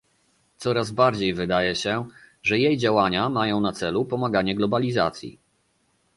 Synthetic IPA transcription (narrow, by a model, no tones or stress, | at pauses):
t̪sɔɾazbaɾd͡ʑejvɘd̪ajɛɕɛʐɛjejd͡ʑawaɲamajɔ̃w̃nat̪sɛlupɔmaɡaɲɛɡlɔbalʲiza̰t̪sʲjḭ